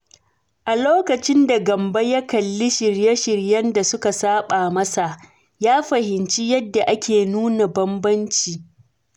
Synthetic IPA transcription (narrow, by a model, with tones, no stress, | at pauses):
ʔa˨loː˦kɐ˨t͡ʃɪ˦nda˨ɡɐ˨mbɐ˦jɐ˦kɐ˨lːɪ˦ʃɪ˨ɾje˦ʃɪ˨ɾjɐ˦nda˨sʊ˦ka˨saː˦ɓaː˨mɐ˦sa˨ʔ | jaː˦ɸɐ˨hɪ˨nt͡ʃi˦jɐ˦dːa˨ʔa˦kʲeː˨nuː˦na˨bɐ˦mbɐ˦nt͡ʃiː˨